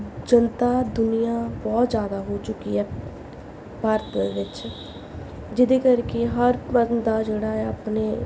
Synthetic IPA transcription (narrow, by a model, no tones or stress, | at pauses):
d͡ʒənt̪aːd̪ʊnijaːbɔːt̪zjaːd̪aːɦoːt͡ʃʊkiɦɛː | paɾt̪eʋɪt͡ʃ | d͡ʒɪd̪eːkəɾkeɦəɾpəɾnd̪aːd͡ʒeːɽaːɛapneː